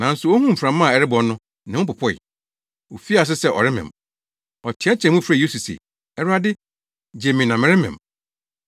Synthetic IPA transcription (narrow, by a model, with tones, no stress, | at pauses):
nã˨n̩˦sʊ˨o˦hũ˦m̩˨fɾã˨mːã˦˨ɛ˨ɾɪ˦bɔ˨˦nʊ̃˦ | nɪ̃˨˦ʊ̃˦pʊ˨pʰɔ˦ɪ̰˨ | o˨fi˦a˨s̬ɪ˦sɛ˦ʔɔ̰˨ɾɪ˦mɪ̰̃˨m | ɔ˨tʰɪ˨˦ɛ˦t͡ɕʰɛ̃˨mũ˦fɾa˦˨o˦su˨sḛ˨ | ɛ˦ɾʊ˦a˦dɪ˦ | d͡ʑe˨mĩ˨nã˨mɪ̃˨˦ɾɪ˦mɪ̃˨m